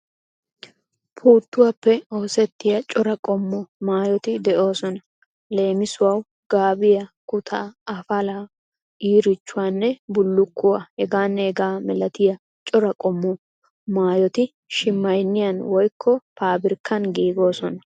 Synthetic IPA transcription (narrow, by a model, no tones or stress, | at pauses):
pʰuːt̪ːʊwɐpːɛo̞ːsɛt̪ːɪjɐt͡ʃʼɔɾɐkʼɔmːɔmaːjɔt̪ɪd̪ɛʔo̞ːsɔnɐ | le̞ːmɪsʊwɐw | ɡ̥aːbɪjɐkʊt̪ʰaːfɐla | iːɾɪt͡ʃːʊwaːnːɛbʊlːʊkːʊwahɛɡaːnːɛɛɡaːmɛlɐt̪ɪjɐ | t͡ʃʼɔɾɐkʼɔmːɔ | maːjɔt̪ɪ | ʃɪmːɐjnːɪjɐnwɔjkʰːɔpʰaːbɪɾkʰːɐnɡiːɡo̞ːsɔnɐ